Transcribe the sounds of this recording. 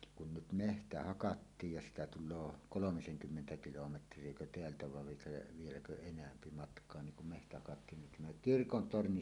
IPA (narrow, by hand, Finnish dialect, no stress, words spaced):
kun nyt mehtæ hɑkɑtːiːj jɑ siːtæ tulˑoː kolomiseŋkymːentæ kilometrˑiekø teæltæ ʋɑʋ ʋiĕklæ̆ ʋielækø enæmpi mɑtkˑoɑ niŋ kum mehtæ hɑkɑtːiːn nin tæmæ kirkon torni